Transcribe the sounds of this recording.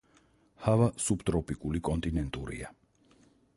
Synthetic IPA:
havasubt̪ʼɾɔpʼikʼulikʼɔnt̪ʼinɛnt̪ʼuɾḭa

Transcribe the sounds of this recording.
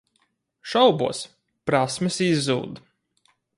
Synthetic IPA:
ʃawbṵɔs | pɾasmɨsizːuːd̪

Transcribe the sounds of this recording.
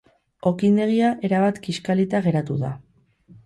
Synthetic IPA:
o̞kind̪e̞ɣ̞iaʔe̞ɾaβat̪kiskalit̪aɣe̞ɾat̪uða̰

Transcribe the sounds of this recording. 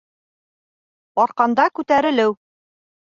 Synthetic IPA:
ɒɾqɑnd̪ɑkʉt̪æɾɘ̆lɘw

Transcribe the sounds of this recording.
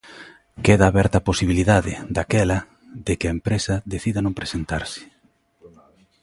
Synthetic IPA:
keðaːβɛɾt̪aposiβiliðaðɪd̪akɛlɐ | ðekɪɐempɾesɐðeθiðanõmpɾesent̪a̰ɾsɪ̥

